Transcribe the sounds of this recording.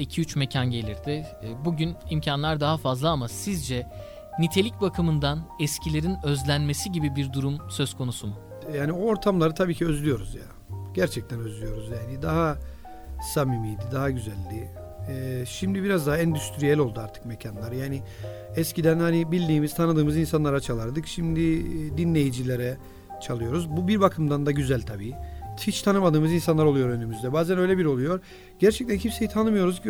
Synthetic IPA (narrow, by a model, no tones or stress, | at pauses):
icʰiyt͡ʃme̞cʰanɟe̞lʲiɾd̪ɪbuɟynimcʰanlˠaɾd̪aɦafazlˠaamasizd͡ʒɛ | nit̪ʰe̞lʲic̚bakʰɯmɯnd̪anɛscʰilʲe̞ɾinø̞zlʲænme̞siɟibibiɾd̪uɾumsøzkʰo̞nusum | jaːniooɾt̪ʰamlˠaɾɯt̪ʰabiːcʰiø̞zlʲyjo̞ɾuzja̰ | ɟæɾt͡ʃʰɛc̚t̪ʰænø̞zlʲyjo̞ɾuzjaːnid̪aɦa | samimiːd̪id̪aɦaɟyzælʲːiː | ʃimd̪ibiɾazd̪aɦaɛnd̪yst̪ɾijɛlʲo̞lˠd̪uaɾt̪ʰɯ̥kmecʰanlˠaɾjaːnɪ | ɛscid̪ænhanibilʲd̪iːmiz̥t̪ʰanɯd̪ɯːmɯzinsanlˠaɾat͡ʃʰalˠaɾd̪ɯkʃimd̪id̪inlʲe̞jid͡ʒilʲeɾɛ | t͡ʃʰalˠɯjo̞ɾuzbubiɾbakʰɯmd̪and̪aɟyzælʲt̪ʰabiːhit͡ʃt̪ʰanɯmad̪ɯːmɯzinsanlˠaɾo̞lˠujo̞ɾø̞nymyzd̪ɛbaːzænø̞jlʲɛbiɾo̞lˠujo̞ɾ | ɟ̥æɾt͡ʃʰɛc̚t̪ʰænçipse̞jit̪ʰanɯmɯjo̞ɾuz